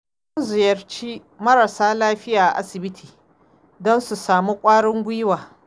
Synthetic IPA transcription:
u˦zɪ˨jɐ˨rt͡ʃiː˦ | mɐ˦ɽa˨saː˦laː˦ɸɪ˦jaː˨ʔa̰˨ʔa̰˦sɪ˨bɪ˦tʰiː˨ | dɔ˦nsu˨saː˨mu˦kʷʼaː˦ɽɪ˦ŋɡʷi˦jwaː˨

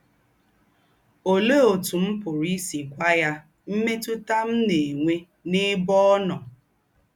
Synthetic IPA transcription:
o˨lo˦o˨tu˨m̩˦pʊ˨ɾi˦si˨kʷa˦ja˦ | m̩˦me˦tʊ˦ta˦m̩˦ne˨ŋʷe˦ | nɪ˦bɔ˦ɔ˦nɔ˨

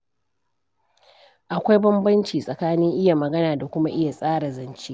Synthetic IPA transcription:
ʔa˨kʷa˦jbɐ˦mbɐ˦nt͡ʃiː˨sʼɐ˨kaː˦nɪ˦ŋʔɪ˦ja˨mɐ˨ɡɐ˦naː˨da˨kʷʊ˦ma˦ʔɪ˦ja˨sʼaː˦ɽa˨zɐ˨nt͡ʃe˦

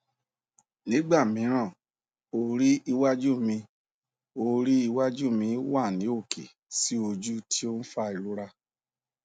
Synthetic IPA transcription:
nĩ˨˦ɡ͡ba˦˨mĩ˨˦ɾ̃ã˦˨ | o˧ɾi˦i˧wa˦d͡ʒu˦mĩ˧ | o˧ɾi˦i˧wa˦d͡ʒu˦mĩ˧˦wa˦˨nĩ˨˦o˦˨kḛ˨ | si˦o˧d͡ʒu˦ti˦o˦n̩˦fa˦˧i˨ɾu˦ɾa˧

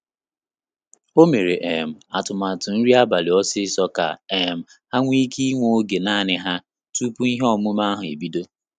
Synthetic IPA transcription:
o˦me˨ɾe˨ʔe˨m̩˨a˨tʊ˨ma˨tʊ˨n̩˦ɾi˦a˦ba˨lɪ˨ɔ˦sɪ˦sɔ˦ka̰˨e˨m̩˨ | ha˦ŋʷi˦ki˦ŋʷo˦ɡe˨naː˦˨nɪ˦ɦa˦ | tu˦pu˦i˦ɦe˦ɔ˨mʊ˦ma˦a˦ɦʊ˨ḛ˨bi˦do˦

